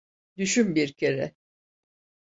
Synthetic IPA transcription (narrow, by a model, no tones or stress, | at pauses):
d̪yʃymbiɾcʰeɾɛ